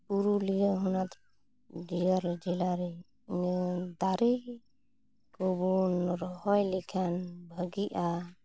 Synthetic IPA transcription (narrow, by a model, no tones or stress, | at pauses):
puɾulijaɦunat̪ʰ | d͡ʒiaɾd͡ʒilaɾɛ | d̪aɾi | ɡɔbunɾɔhɔjlɛkʰanbʱəɡiʔa